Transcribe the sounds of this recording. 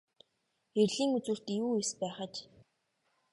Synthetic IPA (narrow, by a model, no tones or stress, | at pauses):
xerɮiːŋut͡swŭr̥t̪juːespæːχə̆t͡ɕ